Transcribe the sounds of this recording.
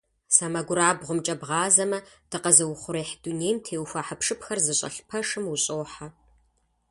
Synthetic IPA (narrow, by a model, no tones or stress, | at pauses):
saːmɐɡʷʊɾaːbʁʷʊmt͡ʃʼɐbʁɑːzɐmɐd̥ɨqɐzɐwχʷʊɾeːħd̥unejmtʰeːwxʷaħəpʂɨpʰxɐrzɨɕʼɐ̰ɬpʰɐʂɨmwʊɕʼoːħa